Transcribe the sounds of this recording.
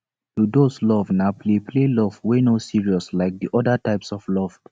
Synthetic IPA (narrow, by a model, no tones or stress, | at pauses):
tudoslɔvnapʰleplelɔvwenosiɹiɔslaɪk̚diʔɔdətaɪpsɔvlɔv̥